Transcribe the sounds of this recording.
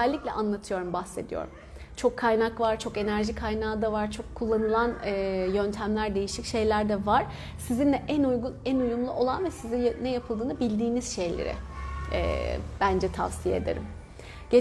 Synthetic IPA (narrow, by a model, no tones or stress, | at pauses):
ɛlʲːiclʲɛ̰ʔanlˠat̪ʰɯjo̞ɾumbaxse̞d̪ijo̰ɾum | t͡ʃʰo̞kʰːajnakvaɾt͡ʃʰo̞ke̞næɾʒikʰajnaːd̪avaɾt͡ʃʰo̞kʰːulˠːanɯlˠanɯːjønt̪ʰæmlʲæɾd̪e̞jiʃicʃe̞jlʲæɾd̪ɛvaɾ̥ | sizind̪ɛʔænujɡunænujumlˠuʔo̞lˠanvɛsizinːɛjapʰɯlˠd̪ɯːnɯbilʲd̪iːniz̥ʃe̞jlʲḛɾɪ̰ː | b̥ænd͡ʒɛt̪ʰa̰vsijeed̪eɾḭm | ɟ̥e